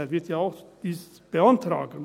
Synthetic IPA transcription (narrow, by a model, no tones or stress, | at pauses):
ɛɐvɪɐtjaːaʊxd̥iːs | b̥əantɾa̰ːɡən̩